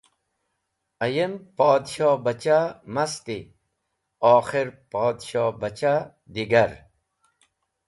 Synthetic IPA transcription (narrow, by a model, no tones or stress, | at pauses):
ɐjempɔːd̪ɕɔːbɐt͡ɕamɐst̪i | ɔːxiɾpɔːd̪ɕɔːbɐt͡ɕa | d̪iɡɐɾ